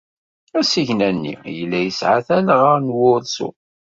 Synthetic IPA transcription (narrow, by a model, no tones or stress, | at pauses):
æsiʝnænːḭjəlːæjəsʕaθælʁəɾnwʊðsṵ